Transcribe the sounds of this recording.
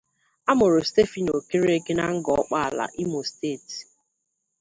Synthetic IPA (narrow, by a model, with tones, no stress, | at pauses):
a˦mʊ˨ɾʊ˨ste˦fi˨n˨o˨ke˦ɾe˦ɡe˦na˦ŋ̩˦ɡɔ˨ɔ˦k͡pa˦a˨la̰˨ʔi˦mo˨steː˦˨ti̥˨